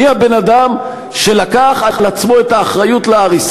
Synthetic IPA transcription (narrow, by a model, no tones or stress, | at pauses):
iabe̞nad̪am | ʃe̞lakaχaχlat͡smo̞e̞t̪aːχʁajutleaʁis